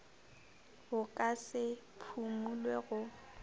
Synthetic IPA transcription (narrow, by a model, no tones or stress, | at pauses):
ʊkʼasɪ | pʰumulweɣʊ